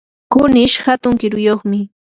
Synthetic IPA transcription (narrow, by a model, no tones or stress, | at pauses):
kʊnɪʃhat̪ʊŋkɪɾʊjoχmɪ